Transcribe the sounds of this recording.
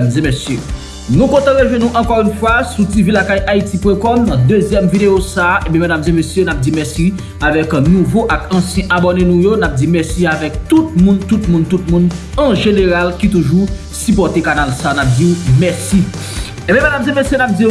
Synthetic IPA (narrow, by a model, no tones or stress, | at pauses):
mzɛ̃mesjø | nũkɔ̃t̪ɑ̃ʁeʒwɛnũʔɑ̃kɔʁynfwasutivilakajʔaitipwɛ̃kɔmnɐ̃d̪øzjɛmvid̪ejosaʔẽbɛ̃madamzɛ̃mesjønap̚d͡zimɛsi | avɛknũvoʔakɐ̃sjɛ̃ʔabonenũjonap̚d͡zimɛʁsiavɛk̚t̪ut̪̚mũnt̪ut̪̚mũnt̪ut̪̚mũnɐ̃ʒeneʁalkit̪uʒu | sypɔt̪ekanalsanap̚d͡zimɛsi | ẽbɛ̃madamzɛ̃mesjønap̚d͡zi